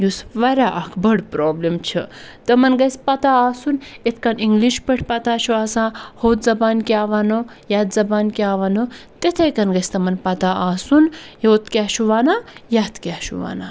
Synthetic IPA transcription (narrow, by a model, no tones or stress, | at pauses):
jusʋɐɾʲaʔɐkʰbɐɽpɾoːblemt͡ʃʰit̪ɐmɐnɡɐjspɐt̪aaːsunet̪ʰkɐniŋɡliʃpɐʈʰʲpɐt̪aːt͡ʃʰuaːsahoːt̪zɐbaːnkʲiaːʋano | jat̪zɐbaːnkʲaːʋɐnot̪et̪ʰɐjkɐnɡɐjst̪ɐmɐnpɐt̪aaːsunjoːt̪kʲaːʃuʋaːnajat̪kʲaːʃṵʋa̰na